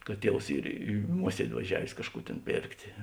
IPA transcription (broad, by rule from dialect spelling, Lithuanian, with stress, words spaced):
kɐt ˈtʲiɛws ˈiːr ɪ ˈmuɔsʲiɛdʲɪ ʋɐˈʒʲæːʋʲeːs ˈkɑːʃˌkuː tʲeːn ˈpʲeːrktʲeː